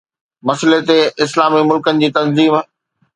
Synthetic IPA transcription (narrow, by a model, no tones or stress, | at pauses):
mɐslet̪eɪslaːmimʊlkənɪ̆d͡ʑiːt̪ɐnziːm